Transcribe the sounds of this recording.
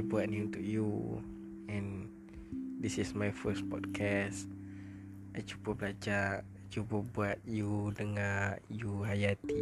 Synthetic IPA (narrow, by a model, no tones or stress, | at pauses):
buatniunt̪uk̚ju | ɛ̃n | d̪isismajfəspɔdkʰɛs | ajt͡ʃupəplad͡ʒaʔ | t͡ʃupəbuat̪̚judəŋãjuɦajat̪i